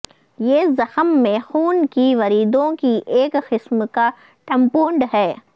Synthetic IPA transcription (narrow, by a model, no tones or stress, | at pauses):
jeːzɐxəmːẽxuːnkiʋɐɾiːd̪õkiʔeːkqɪsmka | ʈɐ̃mpuːɳɖɦɛː